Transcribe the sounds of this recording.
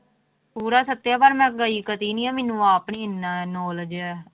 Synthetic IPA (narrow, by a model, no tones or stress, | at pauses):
puːɾaːsət̪ːjaːbaːɾmɛ̃ːɡəiːkət̪iːnĩːaːmɛːnũːaːpɳiːɪnaːnɔːləd͡ʒɛː